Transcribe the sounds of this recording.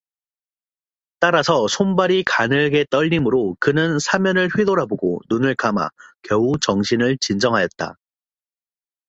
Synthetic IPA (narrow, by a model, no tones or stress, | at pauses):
t͈aɾasʰʌsʰombaɾikanɯɭɡe̞t͈ʌʎːimɯɾokɯnɯnsʰamjʌnɯɭɸɥedoɾaboɡo̰nunɯɭkama̰kjʌut͡ɕʌŋɕʰinɯɭt͡ɕind͡ʑʌŋɦajʌt̚t͈a̰